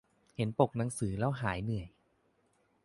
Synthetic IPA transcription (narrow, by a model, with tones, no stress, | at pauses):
he˩˦npo˨˩k̚na˩˦ŋsɯː˩˦lɛː˦˥˩wɦaː˩˦jnɯ˨˩əj